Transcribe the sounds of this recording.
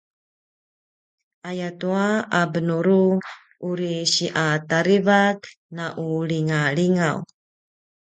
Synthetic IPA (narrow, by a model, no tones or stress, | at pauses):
ʔajatuaabənuɾu | ʔuɾiɕiʔataɾivak | naʔuliŋaɭiŋaw